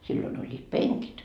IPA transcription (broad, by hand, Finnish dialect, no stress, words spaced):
silːoin olʲːiːt peŋkit